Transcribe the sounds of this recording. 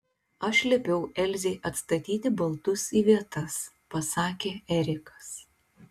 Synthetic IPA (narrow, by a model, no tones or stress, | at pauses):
ɐʃʲlʲɛpʲɛʊʔɛlʲzʲeɪʔɐt̪st̪ɐt̪ʲiːt̪ʲɪbɐlˠt̪ʊsiːʋʲiɛt̪ɐs | pɐsɑːkʲeːɛɾʲɪkɐ̥s